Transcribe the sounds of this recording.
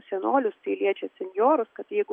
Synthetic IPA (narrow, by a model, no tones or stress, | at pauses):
sʲɛnoːlʲʊst̪ɐɪlʲiɛt͡ʃʲɛsʲɛnʲjoːɾʊskɐt̪jɛɪɡʊ